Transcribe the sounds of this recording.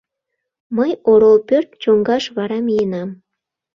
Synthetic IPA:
məjoɾolpørt̪̚t͡ɕoŋɡɑʃβɑɾɑmijenɑm

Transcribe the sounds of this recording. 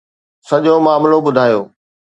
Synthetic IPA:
sɐʄomaːmlobʊd̪ʱaːjoː

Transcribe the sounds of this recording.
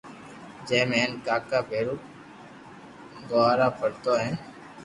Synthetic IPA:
d͡ʒeːmeːnkaːkaːpeːɾuː | ɡoaːɾaːpəɾt̪oːɦɛ̃ː

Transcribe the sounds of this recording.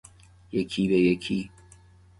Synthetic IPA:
jɐkʲʰiːdajɐkʲʰiː

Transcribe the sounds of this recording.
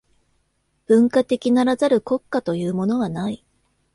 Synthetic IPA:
b̥ɯ̟̃ŋkat̪e̞kʲinaɾazaɾɯ̟ko̞kːat̪o̞jɯ̟ːmo̞no̞βanai

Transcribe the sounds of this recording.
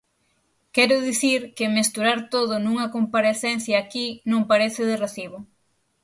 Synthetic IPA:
kɛɾʊðiθiɾkɪmest̪uɾaɾt̪oðʊnũŋɐkompaɾeθɛnθjɐːkinõŋpaɾeθɪðɪreθiβʊ

